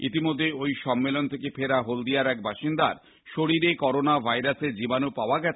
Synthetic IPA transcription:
ḭt̪imod̪ʱːejojʃɔmːelont̪ʰekepʰeɾaɦold̪ijaɾɛk̚baʃind̪aɾ | ʃoɽiɾekɔɾonabʱajɾased͡ʑibanupaoaɡɛt͡ɕʰe

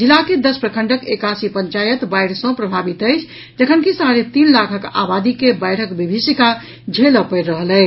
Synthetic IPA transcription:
d͡ʒilːaked̪əspɾəkʰəɳɖəkekasipəɲt͡ʃajət̪bajɽsə̃pɾəbʱabit̪əɪt͡ʃʰ | d͡ʒəkʰənkisaɾet̪inlakʰəka̰bad̪ikebajɽ̤əkbibʱisika | d͡ʒʱeləpəɾːəɦəlɛɪ

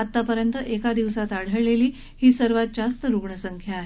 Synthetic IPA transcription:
at̪ːapəɾjənt̪əʔekad̪iʋsat̪aɽ̤əɭleliː | hiːsəɾʋat̪̚d͡ʑast̪əɾuɡɳəsəŋkʰjaːɦe

